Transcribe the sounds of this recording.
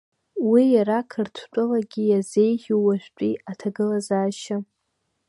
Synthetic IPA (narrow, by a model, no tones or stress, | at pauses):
wijaɾakʰɨrtʷʰt͡pʷʼʊlaɡʲijaze̞jχʲuwaʒᶣʷt͡pʷʼiatʰaɡɨlazaːʃɪ